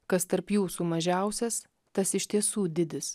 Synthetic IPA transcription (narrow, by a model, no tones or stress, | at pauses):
kɐst̪ɐɾpjuːsumɐʒʲæˑʊsʲɛs | t̪ɐsɪʃʲt̪ʲiɛsuːd̪ʲɪd̪ʲɪs